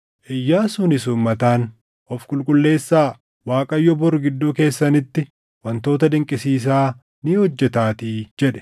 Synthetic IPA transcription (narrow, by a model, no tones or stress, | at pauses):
ʔɪjːaːsʊnɪsʊːmːɐt̪aːn | ʔɔfkʼʊlkʼʊlːe̞ːsːaː | waːkʼɐjːɔbɔɾɡɪd̪ːuːke̞ːsːɐnɪt̪ːɪ | wɐnt̪o̞ːt̪ɐd̪ɪŋkʼɪsiːs̬aː | niːhɔd͡ʒːɛt̪aːt̪iːd͡ʒɛᶑɛ̥